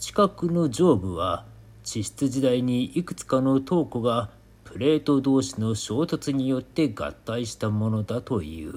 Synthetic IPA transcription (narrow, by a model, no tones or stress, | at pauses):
t͡ɕi̥kakɯ̟no̞d͡ʑo̞ːbɯ̟βa | t͡ɕiɕi̥t͡sɨʑid̪aiɲ̟iikɯ̟̥t͡sɨ̥kano̞t̪o̞ːko̞ɡa | pɯ̟ɾe̞ːt̪o̞d̪o̞ːɕino̞ɕo̞ːt̪o̞t͡sɨɲ̟ijo̞t̪ːe̞ɡa̰t̪ːaiɕi̥t̪amo̞no̞d̪at̪o̞ḭɯ̟̰ː